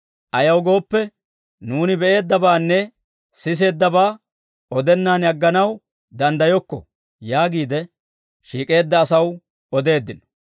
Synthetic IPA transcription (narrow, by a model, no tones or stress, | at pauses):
ʔɐjɐwɡo̞ːpːɛ | nuːnɪbɛʔe̞ːd̪ːɐbaːnːɛ | sɪs̬e̞ːd̪ːɐbaː | ɔd̪ɛnːaːnjɐɡːɐnɐw | d̪ɐnd̪ɐjɔkːɔ̰ | jaːɡiːd̪ɛ | ʃiːkʼe̞ːd̪ːɐːsɐw | ɔd̪e̞ːd̪ːɪnɔ̥